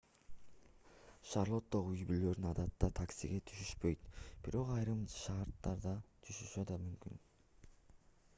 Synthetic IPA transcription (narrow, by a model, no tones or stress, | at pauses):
ʃɑrlˠo̞t̪ːoʁyjbylø̞ɾnɑd̪ɑt̪ːɑt̪ʰaksiɡʲet̪ʰyʃyʃpø̞jt̪b̥iɾo̞qɑjɾɯmʃɑɾt̪ːɑɾd̪ɑt̪ʰyʃyʃød̪ɑmymky̰n